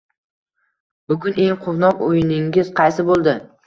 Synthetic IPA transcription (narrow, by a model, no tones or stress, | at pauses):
bʊɡʊne̞ŋqʰʊwnɒqojɪnɪŋʲɪz̥qʰɑjsɪbolˠd̪ɪ